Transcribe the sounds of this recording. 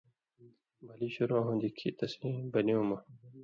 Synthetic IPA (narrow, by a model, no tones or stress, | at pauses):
mɐliɕuɾoɦõnd̪ikʰit̪ɐsĩbɐniumɐ